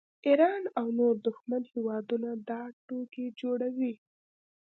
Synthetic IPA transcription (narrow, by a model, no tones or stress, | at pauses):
iɾɑnawnoɾd̪ʊxmanhewɑd̪unad̪ɑʈoked͡ʒoɽawi